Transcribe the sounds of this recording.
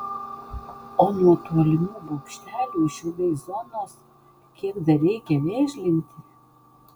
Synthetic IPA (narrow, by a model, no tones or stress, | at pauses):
onuɔt̪uɔlʲɪmuːbokʃʲt̪ʲæːlʲuːʃʲɪd̪ɛɪzonos | kʲiɛkd̪ɐɾʲɛɪkʲɛnʲɛʃʲlʲɪmʲt̪ʲɪ